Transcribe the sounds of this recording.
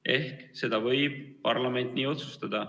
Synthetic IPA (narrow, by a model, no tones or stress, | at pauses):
ʔe̞hkse̞d̪̥ɑvɤjb̥̚pɑrlɑme̞nt̪ˑniːo̞t̪su̥st̪ɑd̪̥ɑ